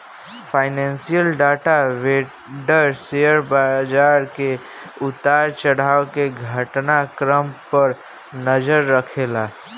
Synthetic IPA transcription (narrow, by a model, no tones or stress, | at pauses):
pʰaɪnɛnsijəlɖaʈaʋe | ɖəɾseəɾbad͡ʒaɾke | ut̪aɾt͡ʃəɽaokeɡʱəʈnakɾəmpəɾ | nəd͡ʒəɾːəkʰela